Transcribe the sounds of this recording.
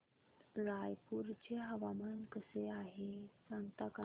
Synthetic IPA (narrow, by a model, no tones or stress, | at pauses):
ɾajpuɾt͡ɕeɦəʋamənkəseaɦesãŋɡt̪aka